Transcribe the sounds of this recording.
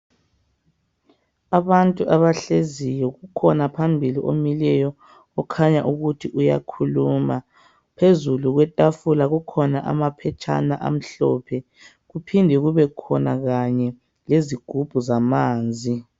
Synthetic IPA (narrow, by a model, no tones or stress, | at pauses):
aβantʼuʔaβaɬezijɔɣukʰɔnapʰambʱiliʔomilɛjɔ | ɔkʰaɲaʔuɣutʰiʔuja̰kʰuluːma | pʰezuluɣwɛtʼafulaɣukʰɔnaʔa̰mapʰɛt͡ʃʰʼa̰naʔa̰m̩ɬɔːpʰɛ | ɣupʰindʱɛuɣuβɛkʰɔnaɣaɲɛ | leziɡ̥ʱub̥ʱuzamaːnd͡zʱi